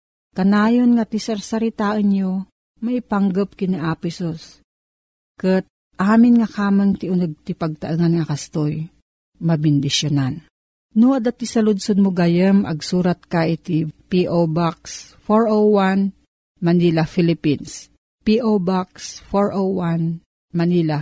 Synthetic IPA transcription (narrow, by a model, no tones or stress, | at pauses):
kɐnaːjonŋat̪isɐɾsɐɾɪt̪aːʔənjo | mɐipaŋɡəp̚kɪniʔaːpɪsos | kɨt̪̚ | ʔaːmɪnŋɐkaːmaŋt̪ɪʔʊnoɡ̚t̪ɪpɐɡ̚t̪ɐʔɨŋanŋɐkɐst̪oj | mɐbɪnd̪ɪʃjonan | nʊʔɐd̪at̪isɐlʊd̪sod̪̚moɡajɛmʔɐ̰ɡsuːɾat̪̚kaʔɪt̪ipiʔobaks | foɹʔowan | mɐnilafilɪpins | piʔobaksfoɹʔowwan | mɐnila